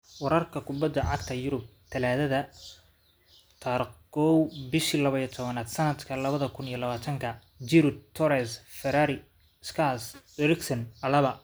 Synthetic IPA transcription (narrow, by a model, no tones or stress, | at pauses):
wɑɾɐrkʰɐkʰʊbɐd̪ːɐʕɑɡt̪ʰɐjʊɾʊb̚t̪ʰɐlaːðɐðɐ | t̪ʰɐrɡɔwbɪʃilɐβɐijɔt̪ʰɔβɐnaːd̪sɐnɐd̪kʰɐlɐβɐðɐkʰʊnijɔlɐβaːt̪ʰɐŋkʰɐ | d͡ʒɪɾʊt̪ʰɔɾɛsfɛɾaɾɪ | skʰas | ɾɪksɐnɐlɐβɐ